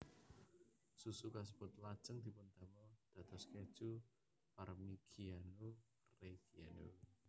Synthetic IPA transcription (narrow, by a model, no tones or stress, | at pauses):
susukasəb̥ʊ̤t̪lad̥ʒ̥əŋd̪̥i̤pʊnt̪ɛmɔd̪̥ä̤t̪ɔsked̥ʒ̥u | parmiɡ̥ʰianu | reɡiano